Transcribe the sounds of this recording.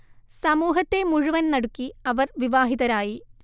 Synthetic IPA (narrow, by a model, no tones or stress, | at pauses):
sɐmuːɦɐt̪ːe̞muɻuʋɐnnɐɽukːiɐʋɐrʋiʋaːɦiðɐɾaːji